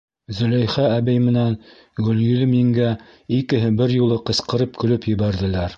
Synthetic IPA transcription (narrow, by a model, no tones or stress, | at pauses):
zɵ̆læjχææβɘjmɘ̆næn | ɡɵ̆ljɵ̆lɘmɘ̆ŋɡæ | ikɘ̆ɦɘbɘɾjulˠɤqɤ̆sqɤ̆ɾɤp̚kɵ̆lɵpjɘ̆βæɾðɘ̆læɾ